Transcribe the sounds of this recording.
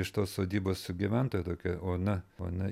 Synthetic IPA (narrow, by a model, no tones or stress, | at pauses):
ɪʃt̪oːssoːd̪ʲiːboːsʊɡʲiʋʲænt̪oːjɛt̪oːkʲɛoːnɐo̰ːnɐ